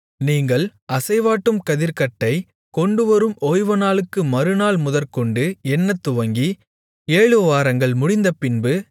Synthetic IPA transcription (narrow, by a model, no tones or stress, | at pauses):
niːŋɡɐɭɐsɐɪʋaːʈːɯmkɐðɪɾkɐʈːɐɪ | kɔɳɖɯʋɐɾɯmoːjʋɐnaːɭɯkːɯmɐɾɯnaːɭmʊðɐɾkɔɳɖɯɛnːɐt̪ːʊʋɐŋɡi | eːɻɯʋaːɾɐŋɡɐɭmʊɽɪnd̪ɐpɪnbɯ